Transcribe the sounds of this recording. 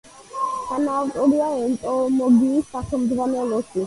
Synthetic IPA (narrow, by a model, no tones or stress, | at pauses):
tʰanaːvt̪ʼɔɾiaɛnt̪ʼɔmɔɡiːsatʰɔmd̪vanɛlɔsi